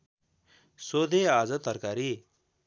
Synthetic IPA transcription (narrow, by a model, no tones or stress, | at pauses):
soːd̪eaːzət̪ːəɾkaːɾi